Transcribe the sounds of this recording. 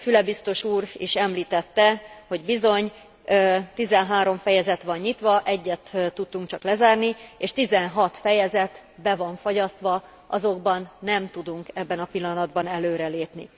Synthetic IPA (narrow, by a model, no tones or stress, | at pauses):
fylɛbist̪o̞ʃuːɾḭʃɛmliːt̪ɛt̪ːɛho̞ɟbizo̞ɲː | t̪izɛnɦaːɾo̞ɱfɛjɛzɛt̪ʋɒɲːit̪ʋɒʔɛɟːɛt̪t̪ːut̪ːuŋk̚t͡ʃɒklɛzaːrnieːʃt̪izɛnɦɒt̪fɛjɛzɛt̪bɛvɒɱfoɟɒst̪ʋɒ | ʔɒzo̞ɡbɒnːɛmt̪ud̪uŋkɛbːɛnɒpilːɒnɒd̪bɒnɛløːɾɛleːpnḭ